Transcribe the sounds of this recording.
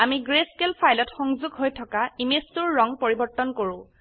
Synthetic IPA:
amiɡɹeskelpʰajlɔtxɔŋzʊɡɦojtʰɔkaimestʊɹːɔŋpoɹibɔɹtːɔnkoɹʊ̃

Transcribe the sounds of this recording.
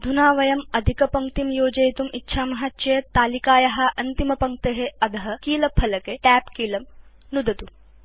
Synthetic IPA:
d̪ʱunaːʋɐjɐmɐd̪ʱikɐpɐŋk̚t̪imjoːd͡ʒɐjt̪umitːʃʰaːmɐɦɐtːʃɐjɐt̪aːlikaːjɐɦɐ̆ʔɐnt̪imɐpɐŋk̚t̪eɦeɐd̪ʱɐɦɐ̆kiːlɐpʰɐlɐkeʈæːpkiːlɐm | nud̪ɐt̪u

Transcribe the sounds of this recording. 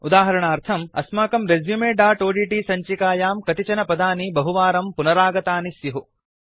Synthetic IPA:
ud̪aːɦɐɾɐɳaːɾt̪ʰɐmɐ̰smaːkɐmɾezjumeːɖaːʈoːɖiːʈiːsɐɲt͡ʃikaːjaːmkɐt̪it͡ʃɐnɐpɐd̪aːnibɐɦuʋaːɾɐmpunɐɾaːɡɐt̪aːnisjɐɦu

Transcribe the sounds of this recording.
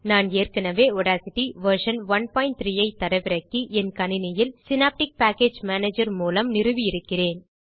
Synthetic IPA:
naːneːrkɐnɐʋeːɔɽaːsɪʈːiʋɐɾʂɐnʋɐnpaːɪnʈt̪ɾijɐɪt̪ːɐɾɐɪʋɪɾɐkːɯʔɛnkɐnɪnɪjɪlsɪnaːp̚ʈɪk̚paːkeːd͡ʒmaːneːd͡ʒɐɾmuːlɐmnɪrɯʋɪjɪɾɯkːɪreːn

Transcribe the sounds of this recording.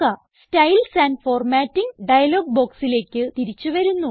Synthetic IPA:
ɐ | stɐjlsaːnfo̞ːrmaːtːiŋɖɐjɐlo̞ːɡ̚bo̞ːksile̞ːkʲːɨt̪iɾit͡ɕːuʋɐɾunːu

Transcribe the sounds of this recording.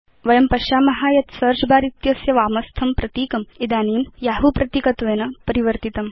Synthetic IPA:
ʋɐjɐmpɐʃaːmɐɦaːjɐt̪sɐɾʂbaːɾit̪jɐsjɐʋaːmɐst̪ʰɐmpɾɐt̪iːkɐmid̪aːniːmjaɦupɾɐt̪ikɐt̪ʋeːnɐpɐɾiʋəɾt̪it̪ɐm

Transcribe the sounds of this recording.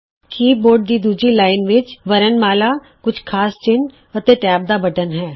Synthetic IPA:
kiːboːɾɖd̪iːd̪uːd͡ʒɾiːlaːɪnʋɪt͡ʃʋəɾənmaːlaː | kʊt͡ʃʰkʰaːst͡ʃɪn | ət̪eːʈɛːb̚d̪aːbəʈənɦɛː

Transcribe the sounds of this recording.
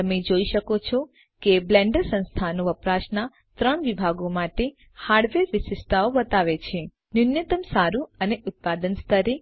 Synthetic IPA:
t̪əmed͡ʒoiʃəkot͡ʃʰɔ | keblɛ̃ɳɖəɾsə̃nst̪ʰanõʋəpɾaʃna | t̪ɾəɳʋibʱaɡomaʈe | haɾɖʋeɾʋɪsɪst̪aoʋət̪aʋet͡ʃʰe | nunjət̪əmsaɾuəneʔʊt̪̚pad̪ənst̪ʰəɾe

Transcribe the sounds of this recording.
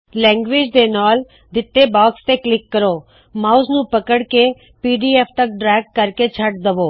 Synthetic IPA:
lɛ̃ːŋɡʋeːd͡ʒd̪enɔːl | d̪ɪt̪ːebɔːkst̪eklɪkːəɾoː | maːʊznũːpəkəɽke | piːɖiːeːfʰt̪ək̚ɖɾɛːɡ̚ːəɾket͡ʃʰəʈ̚d̪əʋoː

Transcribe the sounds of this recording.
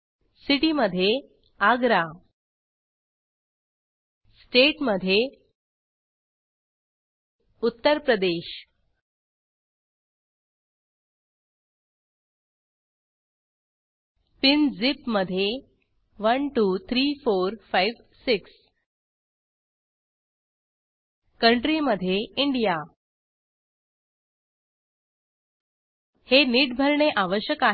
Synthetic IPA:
siʈiməd̪ʱːje | aɡɾa | sʈeʈməd̪ʱje | ut̪ːəɾpɾəd̪eɕ | pind͡zipməd̪ʱːje | ʋənʈuːt̪ʰɾifoɾfajʋ | siks | kəɳʈɾiməd̪ʱːjeiɳɖija | heniːʈ̚bʱəɾɳeʔaʋəɕjəka

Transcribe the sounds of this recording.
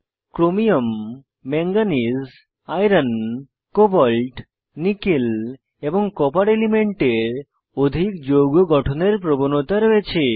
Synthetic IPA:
kɾomijomː | ɛŋɡaniz | ajɾan | kobɔlʈ | nikil | eboŋkɔpaɾelimeɳʈeɾ | od̪ʱikd͡ʑoɡoɡɔʈʰoneɾpɾobonot̪aɾoet͡ɕʰe

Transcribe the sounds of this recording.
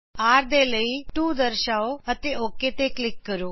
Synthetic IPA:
aːɾd̪eləiːʈuːd̪əɾʃaːoət̪eoːket̪eklɪkːəɾoː

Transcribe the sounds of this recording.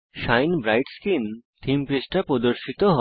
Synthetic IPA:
ʃajnbɾajʈskint̪ʰimpɾisʈapɾod̪oɾʃit̪oɦɔ

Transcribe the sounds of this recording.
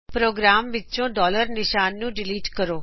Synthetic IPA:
pɾoːɡɾaːmʋɪt͡ʃõːɖɔːləɾnɪʃaːnːũːɖɪliːʈkəɾoː

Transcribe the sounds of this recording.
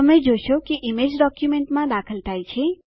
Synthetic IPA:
əmẽd͡ʒoʃokeʔimed͡ʒɖɔkjumeɳʈmãd̪akʰəlt̪ʰajt͡ʃʰe

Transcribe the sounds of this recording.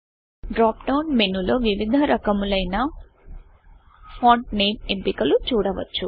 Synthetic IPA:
ɖɾaːpɖɐwnmenːuloːʋiʋid̪ʱɐɾɐkɐmulɐjnɐ | fʰaːɳʈ̚neːmempikɐlut͡ʃuːɽɐʋɐ̰t͡ʃːu

